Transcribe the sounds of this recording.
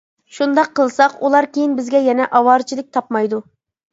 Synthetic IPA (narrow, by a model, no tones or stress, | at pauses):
ʃund̪ɑqʰːəlˠsɑqulˠɑɾkʲʰejinbɪzɡʲɛjɛnɛʔɑwɑɾt͡ʃʰilˠɪk̚ʲt̪ʰɑpmɑjd̪u